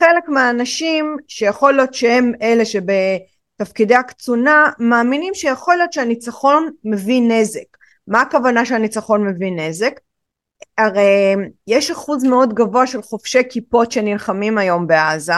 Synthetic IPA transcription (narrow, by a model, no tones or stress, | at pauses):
χele̞kmeaːnaʃimʃejaχo̞ljo̞tʃeheme̞le̞ʃebe̞ | tafkideakt͡sunamaːminimʃejaχo̞ljo̞tʃeanit͡saχo̞nmevine̞zek | maːkavanaʃeanit͡saχo̞nme̞vine̞ze̞k | aʁejjeʃaχuzmeo̞dɡavo̞aʃelχo̞fʃe̞jkipo̞tʃenilχamimajo̞mbeaza